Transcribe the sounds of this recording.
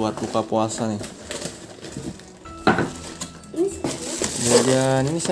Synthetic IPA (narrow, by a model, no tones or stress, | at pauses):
uat̪ukapoasanɪ | jad͡ʒaninisa